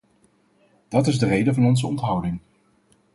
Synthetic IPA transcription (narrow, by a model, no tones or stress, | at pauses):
d̥ɑtɪzdərejdəvɑnɔnzəɔntɦʌwdɪŋ